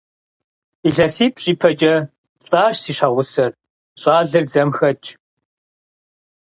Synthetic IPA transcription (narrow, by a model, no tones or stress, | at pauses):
iɮɐsiːpʼɕʼiːpʰɐt͡ʃʼɐ | ɬʼaːɕsiːʂaʁʷʊsɐr | ɕʼaːɮɨrd͡zɐmxɐt͡ʃʰʼ